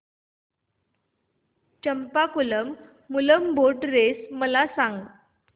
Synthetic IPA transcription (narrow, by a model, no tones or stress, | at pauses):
t͡ɕəmpakuləmː | uləmbʱoʈɾesməlasãŋɡ